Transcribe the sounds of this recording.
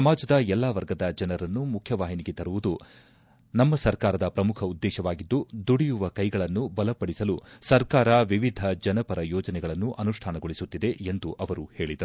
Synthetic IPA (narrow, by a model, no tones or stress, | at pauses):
ɐmaːd͡ʒɐd̪ɐɛlːaːʋɐɾɡɐd̪ɐd͡ʒɐnɐɾɐnːumukʰjɐʋaːɦiniɡet̪ɐɾuʋud̪u | nɐmːɐsɐɾkaːɾɐd̪ɐpɾɐmukʰɐud̪ːɛːʃɐʋaːɡid̪ːud̪uɽijuʋɐkɐjɡɐɭɐnːubɐlɐpɐɽisɐlusɐɾkaːɾɐʋiʋid̪ʱɐd͡ʒɐnɐpɐɾɐjɔːd͡ʒɐnɛɡɐɭɐnːuʔɐnuʂʈʰaːnɐɡoɭisut̪ːid̪e̞end̪uʔɐʋɐɾuhe̞ːɭid̪ɐɾu